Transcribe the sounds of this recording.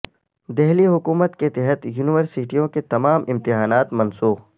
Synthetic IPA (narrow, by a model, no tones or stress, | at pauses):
d̪ɛɦliɦʊkuːmət̪ket̪ɛɦət̪juːnɪʋəɾsɪʈijõket̪ɐmaːmʔɪ̃mt̪ɪɦaːnaːt̪mɐnsuːx